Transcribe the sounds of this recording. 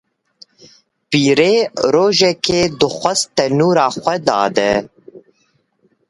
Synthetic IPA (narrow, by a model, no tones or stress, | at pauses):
piːɾeːɾoːʒɛkeːd̪ɨxʷɛst̪ɛnuːɾɑːxʷɛd̪ɑ̰ːd̪ɛ